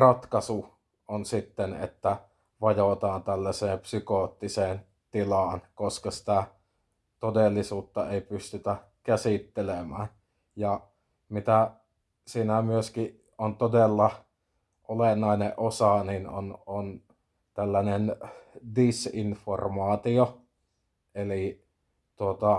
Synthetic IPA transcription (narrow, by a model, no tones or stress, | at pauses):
rɑt̪kɑsu | ʔonsit̪ːenḛt̪ːæ | ʋɑjot̪ɑːnt̪ælːæseːmpsykot̪ːiseːn | t̪ilɑːˑnkoskɑsi̥t̪æ | t̪odelːisuːt̪ːɑeˑipyst̪yt̪æ | kæsit̪ːelemæːn | jɑ | mit̪æ | siːnæmyøskiʔ | ʔont̪odelːɑ | ʔolenːˑɑˑeneʔʔosɑnino̰non | t̪ælːænendisinformɑːt̪io | ʔeli | t̪uot̪ɑ